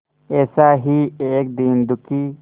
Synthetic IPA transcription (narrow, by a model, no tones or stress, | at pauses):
eːsaːɦieːk̚d̪iːnd̪ukiː